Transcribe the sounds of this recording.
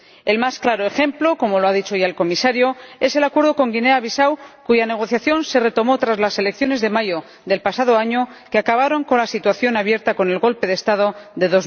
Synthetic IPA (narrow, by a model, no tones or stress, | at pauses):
e̞lmasklaɾo̞e̞xe̞mplo̞ko̞mo̞loaðit͡ʃo̞ʝaelko̞misaɾjo̞e̞se̞lakwe̞ɾð̞o̞ko̞ŋɡine̞aβisawkuʝane̞ɣ̞o̞θjaθjo̞nse̞re̞t̪o̞mo̞t̪ɾazlase̞le̞kθjo̞ne̞zðe̞majo̞ | ðe̞lpasað̞o̞aɲo̞keakaβ̞aɾo̞ŋko̞nlasit̪waθjo̞naβje̞ɾt̪ako̞ne̞lɣo̞lpe̞ðest̪aðo̞ðe̞ðo̞z